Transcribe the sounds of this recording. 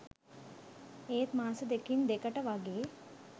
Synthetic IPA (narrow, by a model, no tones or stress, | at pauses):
eːt̪maːsəd̪ekind̪ekəʈəʋaɡeː